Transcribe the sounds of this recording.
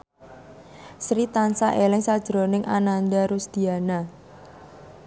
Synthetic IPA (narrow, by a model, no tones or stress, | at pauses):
sɾit̪ansaʔelɪŋsad̥ʒ̥ɾonɪŋʔa̰nand̪aɾusd̪̥i̤ana